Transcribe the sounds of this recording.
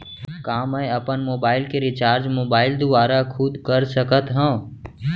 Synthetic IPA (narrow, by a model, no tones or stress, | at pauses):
kaːmə̃ɐpənmoːbaːɪlkeɾɪt͡ʃaːɾd͡ʒmoːbaːɪld̪ʊʋaːɾakʰʊd̪kəɾsəkət̪ɦɛ̃ː